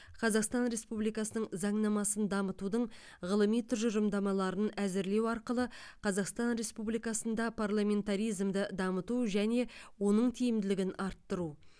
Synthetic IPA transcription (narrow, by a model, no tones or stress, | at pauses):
qʰɑzɑqst̪ɑnɾe̞spublijkɑsənəɴzɑɴnɑmɑsənd̪ɑmət̪ud̪əɴ | ʁəlˠəmijt̪ʰʏɾʒʊɾəmd̪ɑmɑlˠɑɾənæzɪɾle̞wɑɾqəlˠəqʰɑzɑqst̪ɑnɾe̞spublijkɑsənd̪ɑpʰarlˠamʲe̞nt̪aɾijzmd̪əd̪ɑmət̪uʒæne̞wo̞nəɴt̪ʰijɪmd̪ɪlɪɡʲɪnɑɾt̪ːəɾu